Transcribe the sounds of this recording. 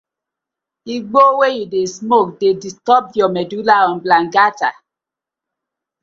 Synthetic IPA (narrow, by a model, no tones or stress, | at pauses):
iɡ͡bowejidesmok̚dedistɔp̚jɔmɛdulaɔ̃nblaŋ̩ɡata̰